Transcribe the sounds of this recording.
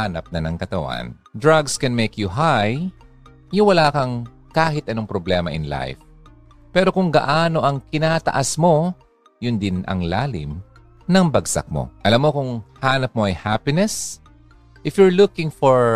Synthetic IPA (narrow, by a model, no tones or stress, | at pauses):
hanɐp̚nɐnɐŋkɐt̪ɐwa̰n | d̪ɹaɡskɛ̃nmejkjuɦaj | jʊŋwɐlaːkɐŋ | kaːhɪt̪̚ʔɐno̞ŋpɾoblɛːmɐʔɪnla̰jf | pɛːɾokʊŋɡɐ̰ʔaːno̞ʔɐŋkɪnaːt̪ɐ̰ʔɐsmo̞ | jʊnd̪ɪnʔɐ̰ŋlaːlɪ̰m | nɐŋbɐɡsɐ̰k̚mo̰ʔɐlamːo̞kʊŋhaːnɐp̚mo̞ʔɐjhapɪnɛs | ʔɪfjʊɹlʊkɪ̃ŋfoɹ